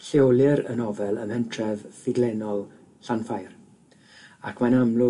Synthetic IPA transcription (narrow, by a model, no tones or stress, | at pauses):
ɬewlˠɪɾə̰nɔvɛlˠəmhəntʰrɛvfɪɡlɛnɔlˠ | ɬanfajr | akʰwanamlˠʊ